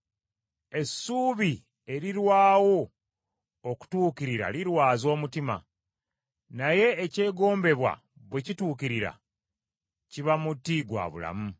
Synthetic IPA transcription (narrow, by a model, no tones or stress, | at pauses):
e̞sːuːβi | e̞ɾiɾwaːwo̞ | oku̥tuːkiɾiɾa̰liɾwaːzo̞ːmutima̰ | naje̞ːce̞ːɡo̞ːmbe̞βwa̰ | βwe̞cituːkiɾiɾa̰ | ciβamutːiɡwa̰ːβṵla̰mu